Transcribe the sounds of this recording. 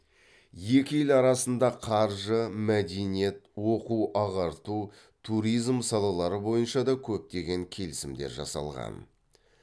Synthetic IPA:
je̞kʲɪjelɑɾɑsənd̪ɑqʰɑɾʒəmæd̪e̞nije̞t̪wo̞quwʔɑʁɑɾt̪u | t̪ʰuɾijzmsɑlˠɑlˠɑɾəbo̞jənʃɑd̪ɑkʲʰɵp̚t̪e̞ɡʲe̞ŋkʲʰe̞lɪsɪmd̪e̞ɾʒɑ̰sɑ̰lˠʁɑ̰n

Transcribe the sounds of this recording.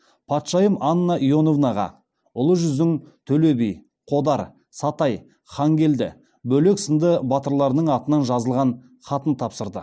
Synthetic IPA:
pʰɑt̪ʃɑjəmɑnːɑʔijo̞no̞vnɑʁɑ̰ | ʊlˠəʒʏzd̪ɪŋt̪ʰɵle̞bij | qʰo̞d̪ɑɾ | sɑt̪ɑj | χɑŋɡʲe̞ld̪ɪ̰ | bɵle̞ksənd̪əbɑt̪əɾlˠɑɾənəɴɑt̪ənɑnʒɑzəlˠʁɑn | χɑt̪ənt̪ʰɑpsəɾd̪ə̰

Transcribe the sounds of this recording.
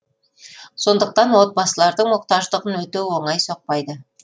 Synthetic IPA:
so̞nd̪əq̚t̪ɑnwo̞t̪̚bɑsəlˠɑɾd̪əɴwo̞q̚t̪ɑʒd̪əʁənwɵt̪ewo̞ɴɑjso̞q̚pɑjd̪ə

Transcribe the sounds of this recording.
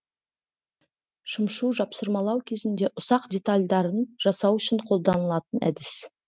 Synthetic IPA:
ʃəmʃuʒɑpsəɾmɑlˠɑwkʲʰe̞zɪnd̪e̞ʔʊsɑqd̪ʲe̞t̪alʲd̪ɑɾənʒ̥ɑsɑwʏʃɪɴqʰo̞lˠd̪ɑnəlˠɑt̪ənʔæ̰d̪ɪs

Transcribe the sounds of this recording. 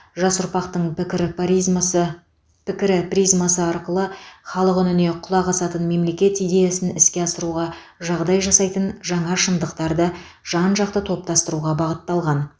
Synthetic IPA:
ʒɑsʊɾpɑqt̪əɴʲɪɾ | pʰɪkʲɪɾɪprʲijzmasəɑɾqəlˠəχɑlˠəqʏnɪne̞qʰʊlˠɑʁɑsɑt̪ənme̞mle̞kʲe̞t̪ijd̪e̞jasɪnɪskʲe̞ɑsəɾuʁɑ | ʒɑʁd̪ɑjʒɑsɑjt̪ənʒɑɴɑʃənd̪əqt̪ɑɾd̪ə | ʒ̥ɑnʒɑq̚t̪ət̪ʰo̞p̚t̪ɑst̪əɾuʁɑbɑʁət̪ːɑlˠʁɑn

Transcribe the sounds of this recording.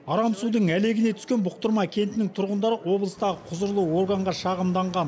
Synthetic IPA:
ɑɾɑmsud̪əɴæle̞ɡʲɪne̞t̪ʰʏ̥skʲe̞nbʊq̚t̪əɾmɑkʲʰe̞nt̪ɪnɪŋt̪ʰʊɾʁənd̪ɑɾəʔwo̞blˠəst̪ɑʁəqʰʊzəɾlˠəwo̞rɡaɴʁɑʃɑʁəmd̪ɑɴʁɑn

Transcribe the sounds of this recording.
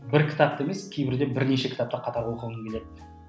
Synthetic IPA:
bɪɾkʲʰɪ̥t̪ap̚t̪e̞me̞skʲʰejbɪɾd̪e̞bɪɾne̞ʃe̞kʲʰɪ̥t̪ap̚t̪ɑqʰɑt̪ɑɾwolˠqəlˠəŋkʲe̞le̞d̪ɪ

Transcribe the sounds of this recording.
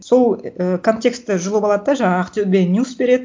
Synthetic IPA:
so̞lˠəkʰo̞nt̪ʲe̞kst̪ːɪʒʊlˠəpɑlˠɑd̪əd̪ɑʒɑɴɑːqt̪ubʲenʲjusbe̞ɾe̞d̪ɪ

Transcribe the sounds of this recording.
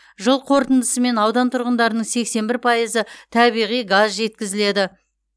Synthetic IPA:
ʒəlˠqʰo̞ɾt̪ənd̪əsəme̞nɑwd̪ɑnt̪ʰʊɾʁənd̪ɑɾənəɴse̞kse̞mbɪɾpʰɑjəzət̪ʰɑbijʁijɡazʒe̞t̪̚kʲɪzɪle̞d̪ɪ

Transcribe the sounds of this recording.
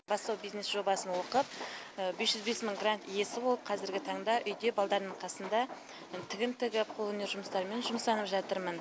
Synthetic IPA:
bɑst̪ɑwbijznesʒo̞bɑsənwo̞qəp̚ | besʒʏzbe̞sməŋɡrant̪ije̞sɪbo̞lˠəp̚qʰɑzɪɾɡʲɪt̪ʰɑɴd̪ɑʔʏjd̪e̞bɑlˠd̪ɑɾd̪əɴqʰɑsənd̪ɑ | t̪ʰɪɡʲɪnt̪ɪɡʲɪp̚qʰolˠɵneɾʒʊməst̪ɑɾme̞nʒʊməsɑnəpʒɑt̪əɾmən

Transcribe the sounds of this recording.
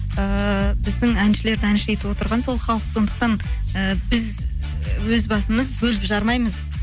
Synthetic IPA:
əbɪzd̪ɪŋænʃɪle̞ɾd̪ɪænɪʃejt̪ɪwo̞t̪əɾʁɑnso̞lˠχɑlˠəqso̞nd̪əq̚t̪ɑn | əbɪz | wɵzbɑsəməzbɵlɪpʒɑɾmɑjməz

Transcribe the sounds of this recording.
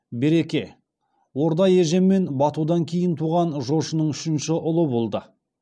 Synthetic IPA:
be̞ɾe̞kʲe̞ | wo̞ɾd̪ɑjeʒe̞mːe̞nbɑt̪ud̪ɑŋkʲʰe̞jɪnt̪ʰuʁɑnʒo̞ʃənəɴʏʃɪnʃɪʔʊlˠəbolˠd̪ə

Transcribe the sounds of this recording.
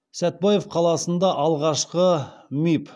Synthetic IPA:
sæt̪̚bɑjefqʰɑlˠɑsənd̪ɑʔɑlˠʁɑʃqəmip

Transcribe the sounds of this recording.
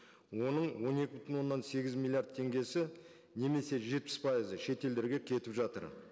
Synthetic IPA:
wo̞nəɴwo̞ne̞kʲɪbʏt̪ʰɪnwo̞nːɑnse̞ɡʲɪzmʲilʲˠijard̪̚t̪ʰːe̞ŋɡʲe̞sɪ | ne̞me̞se̞ʒe̞t̪̚pɪspʰɑjizəʃe̞t̪e̞ld̪e̞ɾɡʲe̞kʲʰe̞t̪ɪpʒɑt̪ə̰ɾ

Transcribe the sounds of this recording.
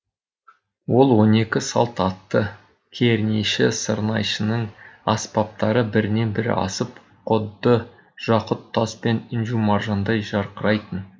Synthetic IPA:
wo̞lˠwo̞ne̞kʲɪsɑ̰lˠt̪ɑt̪ːə | kʲʰeɾneʃɪsəɾnɑjʃənəɴɑspɑp̚t̪ɑɾəbɪɾɪne̞nbɪɾɪ̰ʔɑ̰səp̚ | qʰʊd̪ːə | ʒ̥ɑqʊt̪ʰːɑspe̞ninʒumɑɾʒɑnd̪ɑjʒɑɾqəɾɑjt̪ən

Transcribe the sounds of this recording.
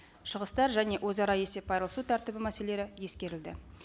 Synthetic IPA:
ʃəʁəst̪ɑɾʒæne̞ʔwʔozɑɾɑje̞se̞p̚ːʰɑjɾəlˠsut̪ʰɑɾt̪əbɪmæse̞le̞ɾɪje̞skʲe̞ɾɪld̪ɪ̰

